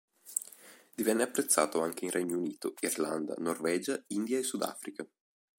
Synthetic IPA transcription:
d̪ivɛnːeapːɾet̪sːa̰ːt̪oaŋk̟einrʔɛɲːouniːt̪oirland̪a̰norvɛːd͡ʒaind̪jaesːud̪a̰ːfɾika

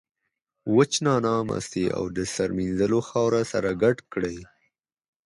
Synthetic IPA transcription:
wət͡ʃnɑnɑma̰st̪eʔa̰wd̪əsaɾminzəloxɑwɾasaɾaɡaɖkɽəj

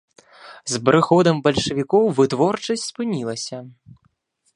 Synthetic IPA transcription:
zbɾɨxɔd̪ɐmbɐlʲʂɨvʲikɔwvɨt̪vɔrt͡ʂɐsʲtʲspɨnʲilˠɐsʲɐ

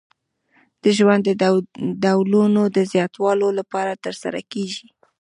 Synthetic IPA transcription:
d̪̥əʒwand̪ːəd̪awlunod̪əzjɑt̪wɑlolapɑɾat̪əɾsa̰ɾa̰keʒi

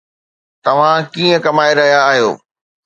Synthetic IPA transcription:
t̪ɐʋ̤ãkiːə̃kɐmaːeɾɐɦijaːɦijo̰ː

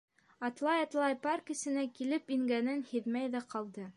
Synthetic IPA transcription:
ɑt̪lˠɑjɑt̪lˠɑjpɑrkɘ̆sɘ̆nækilɘpiŋɡænɘnhɘðmæjðæqɑlˠd̪ɤ

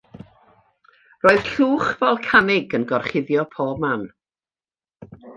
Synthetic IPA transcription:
roːɨð̥ɬuːχvɛlˠkʰanɪɡənɡɔrχɪðjɔpʰoːb̚man

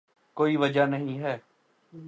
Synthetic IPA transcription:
koːiʋəd͡ʒanəɦĩɦɛː

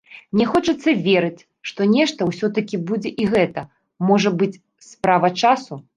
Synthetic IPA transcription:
nʲɛxɔt͡ʂɐt̪sːɐvʲɛɾɨt͡sʲ | ʂt̪ɔnʲɛʂt̪ɐwsʲɔt̪ɐkʲibud͡zʲɛʔiɣɛt̪ɐ | mɔʐɐbɨt͡sʲ | spɾavɐt͡ʂasu

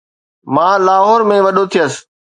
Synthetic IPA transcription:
mãːlaːɦɔːɾmẽʋɐɗot̪ʰijəs

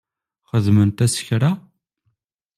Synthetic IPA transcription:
χəðmənt̪æsə̥çɾa

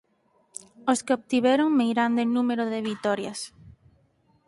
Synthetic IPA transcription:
oskeoβ̚t̪iβɛɾoŋmejɾand̪enumeɾoðɪβit̪ɔɾjas

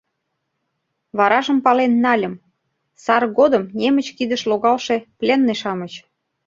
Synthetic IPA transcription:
βɑɾɑʒə̆mpɑlenːɑlʲə̆m | sɑrɣod̪əmnemə̆t͡ɕkid̪ə̆ʃloɣɑlʃeplʲenːeʃɑmət͡ɕ

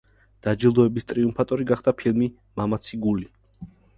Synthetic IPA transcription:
d̪̥ad͡ʒilˠd̪ɔɛbist̪ʼɾiumpʰat̪ʼɔɾiɡaχd̪̥apʰilmi | mamat̪sʰiɡuli

